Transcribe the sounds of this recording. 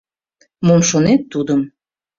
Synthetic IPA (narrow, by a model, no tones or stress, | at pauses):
momʃonet̪ːud̪əm